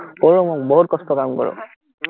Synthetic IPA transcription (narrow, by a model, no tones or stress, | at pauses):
koomɔk̚bɔɦut̚kɔstɔkamkɔ̰ɹɔ̰